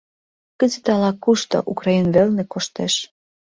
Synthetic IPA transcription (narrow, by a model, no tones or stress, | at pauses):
kə̆zĕt̪ɑlɑkːuʃt̪o̰ʔukrɑinβelnĕkoʃt̪eʃ